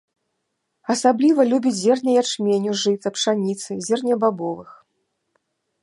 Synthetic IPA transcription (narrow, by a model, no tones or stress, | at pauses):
ɐsablʲivɐlʲubʲid͡zʲzʲɛrnʲɐjat͡ʂmʲenʲuʐɨt̪sɐpʂanʲit̪sɨzʲɛrnʲɐbabɔvɨx